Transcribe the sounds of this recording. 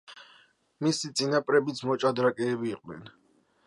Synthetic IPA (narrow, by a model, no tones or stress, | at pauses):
misit̪sʼinapʼɾɛbit̪sʰmɔt͡ʃʼad̪ɾakʼɛːbiːqʼnɛ̰n